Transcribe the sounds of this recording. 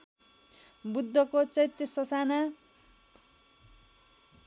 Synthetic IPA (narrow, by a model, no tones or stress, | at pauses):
bud̪ʱːʌkot͡sʌjt̪ːʌsʌsana